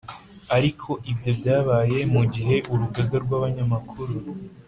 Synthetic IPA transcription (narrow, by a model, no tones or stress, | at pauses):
aɾikʰo̞ʔibjo̞bjaːβaːje̞muɟiɦe̞ʔuɾuɡaɡaɾɡwaβaɲamakʰuɾu